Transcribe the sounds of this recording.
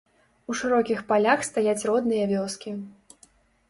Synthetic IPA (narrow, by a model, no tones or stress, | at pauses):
uʂɨɾɔkʲixpalʲaxst̪ajat͡sʲrɔd̪nɨjɐvʲɔskʲi